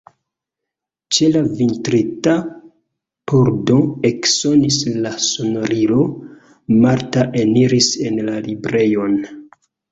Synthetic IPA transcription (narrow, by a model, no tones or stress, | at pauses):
t͡ʃe̞lavintɾita | poɾdo̞e̞kso̞nislaso̞noɾilo̞ | maɾtaʔeniɾise̞nlalibɾe̞jo̞n